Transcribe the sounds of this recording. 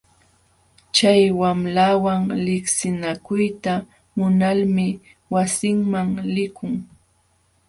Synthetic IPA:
t͡ʃajwamlawaŋlɪksɪnakʊjt̪a | mʊnalmɪ | wasɪŋmaŋlɪkʊŋ

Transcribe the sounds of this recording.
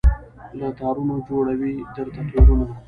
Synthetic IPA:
lət̪ɑːɾunod͡ʒoɽawid̪əɾt̪at̪wiɾuna

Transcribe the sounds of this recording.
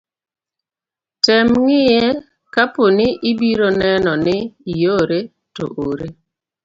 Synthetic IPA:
tɛmŋɪjɛ | kaponɪʔibiɾonɛnɔnɪijoɾe | to̰ʔoɾe

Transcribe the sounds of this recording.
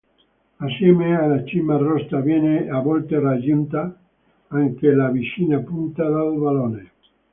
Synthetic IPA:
asjɛmealat͡ʃimarɔst̪aβjɛneaβɔlt̪erad͡ʒunt̪a | aŋkelaβiʃinapunt̪aðalβalone

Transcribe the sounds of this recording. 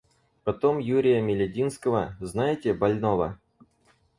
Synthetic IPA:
pɐt̪omjuɾʲɪjəmʲɪlʲedʲinskəvəznajɪtʲebɐlʲnovə̰

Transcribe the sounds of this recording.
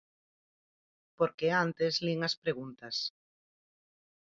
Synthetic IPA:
poɾkeant̪ezliŋaspɾeɣ̞unt̪as

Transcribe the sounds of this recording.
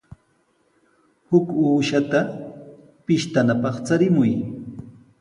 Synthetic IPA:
hʊkuːʃat̪a | pɪʃt̪anapɑχt͡saɾɪmʊj

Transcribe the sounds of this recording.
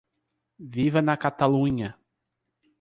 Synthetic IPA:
vivɐnɐkat̪alũɲɐ

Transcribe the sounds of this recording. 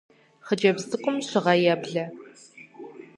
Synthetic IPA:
χəd͡ʒɐbzɨkʷʼʊmɕɪʁɐjɛbɮɐ

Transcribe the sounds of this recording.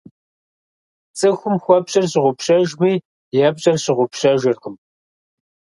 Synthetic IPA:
t͡sʼɨxʷʊmxʷɔpɕʼɐrɕɪʁʷʊpɕɐʒmiː | jaːpɕʼɐrɕɪʁʷʊpɕɐʒɪrqəm

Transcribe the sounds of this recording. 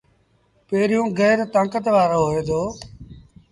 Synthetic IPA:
peːɾijũːɡɛːɾt̪ãːkət̪ʋaːɾəɦoɦoːeːd̪oː

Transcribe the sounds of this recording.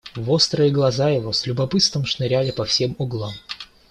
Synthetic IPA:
vost̪ɾəjɪɡlˠɐzajɪvosʲlʲʊbɐpɨt̪st̪vəmʂnɨɾʲælʲɪpɐfsʲemɔɡlˠom

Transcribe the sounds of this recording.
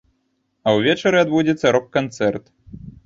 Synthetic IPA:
ɐwvʲɛt͡ʃɐɾɨad̪bud͡zʲɛt̪sːɐɾɔkːant̪sɛrt̪

